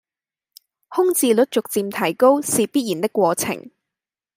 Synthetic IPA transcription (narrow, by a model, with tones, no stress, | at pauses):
hʊ˥ŋt͡siː˨˧lɵ˨˥t̚t͡sʊ˨k̚t͡siː˧mt̪ʰɐ˨˩jko˥wsiː˨piː˥t̚jiː˨˩nt̪ɪ˥kːwɔː˧t͡sʰɪ̰˨˩ŋ